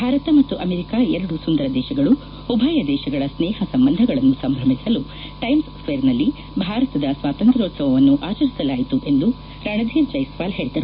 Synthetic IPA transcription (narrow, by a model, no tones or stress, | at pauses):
bʱaːɾɐt̪ɐmɐt̪ːuʔɐmeɾikaːɛɾɐɽusund̪ɐɾɐd̪ɛːʃɐɡɐɭu | ubʱaːjɐd̪ɛːʃɐɡɐɭɐsnɛːɦɐsɐmbɐnd̪ʱɐɡɐɭɐnːusɐmbʱɾɐmisɐlu | ʈɐjms | ʋeːɾnɐlːi | bʱaːɾɐt̪ɐd̪ɐsʋaːt̪ɐnt̪ɾɐoːt̪sɐʋɐʋɐnːuʔaːt͡ʃɐɾisɐlaːjit̪uʔend̪u | ɾɐɳɐd̪ʱiːɾd͡ʒɐjsʋaːlɦe̞ːɭid̪ɐɾu